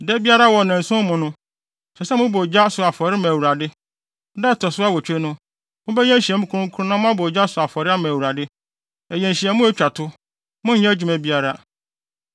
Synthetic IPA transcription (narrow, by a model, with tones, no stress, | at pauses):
dɛ˦bi˦a˦ɾa˦wɔ˨nã˨n̩˨sʊ̃˦mʊ̃˨nʊ̃˦ | sɛ˨sɛ˦mʊ̃˦bo˨d͡ʑa˦sʊ˨a˨fɔ˨ɾɪ˦mæ̃˨wu˨ɾa˨dɪ˦ | dɛ˦˨tʰɔ˨sʊ˦a˦wɔ˨t͡ɕᶣe˦nʊ̃˦ | mʊ̃˦bɛ˦ɲɛ̃˦ɕi˨ɛ˨mʊ̃˦kʰʊ˦ɾʊ̃˦kʰu˦ʊ˦nã˦mʊ̃˦ã˦bo˨d͡ʑa˦sʊ˨a˨fɔ˨ɾɪ˦a˦mæ̃ː˨wu˨ɾa˨dɪ˦ | ɛ˨jɛ̃˨n̩˨ɕi˨ɛ˨mʊ̃˦æ˦t͡ɕᶣa˨tʰʊ˦ | mʊ̃˦ɲɛ̃˦d͡ʑᶣu˨mæ˨bi˦a˦ɾa˦